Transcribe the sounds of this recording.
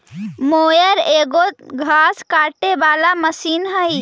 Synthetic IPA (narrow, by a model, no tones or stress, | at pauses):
moːjəɾeːɡoɡʱaːskaːʈebaːlaməsiːnɦəi